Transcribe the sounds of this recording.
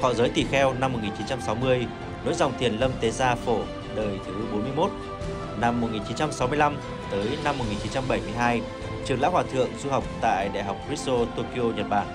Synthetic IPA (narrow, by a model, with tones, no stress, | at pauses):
hɔ̰˧˨zəː˨˦jt̪i˧˩xɛ˧wna˧mːo˨˩ŋi˨˩nt͡ɕi˨˦nt͡ɕa˧msa˨˦wmɨ˧əj | no̰˧˥jza˨˩wŋ͡mt̪ʰi˨˩ənlə˧mt̪e˨˦zaː˧fo˧˩ | ləː˨˩jt̪ʰɨ˨˦ɓo˨˦nmɨ˧əjmo˦˥t̚ | na˧mːo˨˩ŋi˨˩nt͡ɕi˨˦nt͡ɕa˧msa˨˦wmɨ˧əjla˧m | t̪əː˨˦jna˧mː˨˩t̚ŋi˨˩nt͡ɕi˨˦nt͡ɕa˧mɓə˧˩jmɨ˧əjɦaː˧j | t͡ɕɨ˨˩əŋla̰ː˧˥whwaː˨˩t̪ʰɨ̰˧˨əŋzu˧ɦa˨˩wk͡p̚t̪a̰ː˧˨jɗa̰˧˨jɦa˨˩wk͡p̚kɹi˦˥t̚t̪o˧t̪o˧ki˧o˧ɲə˨˩t̚ɓaː˨˩ŋ